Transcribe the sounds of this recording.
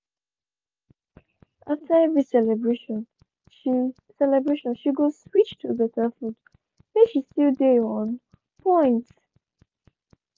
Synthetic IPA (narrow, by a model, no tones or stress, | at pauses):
ʔaftʰəɛvɹisɛlɛbɹeʃɔ̃n | ʃi | sɛlɛbɹeʃɔ̃nʃiɡozswit͡ʃtʰuðətɛfut | meʃistildeɔ̃n | pʰɔ̃ɪ̃nt